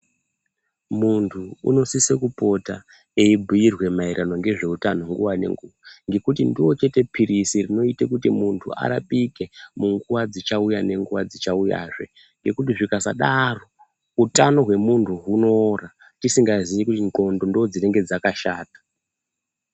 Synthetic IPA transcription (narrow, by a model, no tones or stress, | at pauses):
muntʰuṵno̞sisekupo̞ta | eibʱujirwe̞maiɾano̞ŋɡe̞ʐe̞utano̞ŋɡuwane̞̰ŋɡuʋaŋɡe̞kutindiwo̞t͡ʃe̞te̞pʰiɾisirino̞itekutimuntʰṵa̰ɾa̰pʼike̞muŋɡuʋad͡zit͡ʃaujane̞ŋɡuʋad͡zit͡ʃauja̰ːʐe̞̰ | ŋɡe̞kut̬iʐikasa̰ɗaro̞ | utano̞ɦwe̞muntʰuɦunoo̞ra | tisiŋɡazijikutiko̞ndo̞ndood͡zine̞ŋɡe̞d͡zakaʃaːtḁ